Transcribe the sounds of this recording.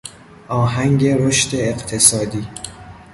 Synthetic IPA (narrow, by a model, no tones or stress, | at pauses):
ʔɒːɦæŋɟe̞ɾoʃt̪e̞ːqt̪ʰesɒːd̪iː